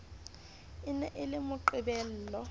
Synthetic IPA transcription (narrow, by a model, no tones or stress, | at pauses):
ɪnɛʔɪlɪmʊǃɪbɛl̩ːlɔ